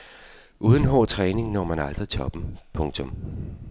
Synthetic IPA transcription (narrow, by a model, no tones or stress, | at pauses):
ʔuːð̞ˠn̩ɦɒ̰ːt͡sʰʁɛːne̝ŋnɒ̰ːmænɑl̰sʁit͡sʰɒ̽b̥m̩pʰɔ̽ŋt͡sʰɔ̽m